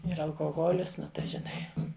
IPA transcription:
ˈɪr ɐlˠkoːˈɣoːlʲɪs ˈnʊ tɐɪ ʒʲɪˈnɐɪ

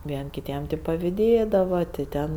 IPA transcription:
ˈʋʲiɛnʲ kʲɪˈtʲiɛm tʲɪk pɐʋʲɪˈdʲeːdɐʋɐ tʲɪ ˈtʲɛn

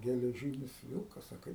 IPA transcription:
ɡʲɛlʲɛˈʒʲiːnʲɪs ˈʋʲɪlˠkɐs ɐ ˈkɐɪp

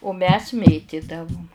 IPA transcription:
ʊ mʲɛs ˈmʲeːtʲɪdɐʋʊm

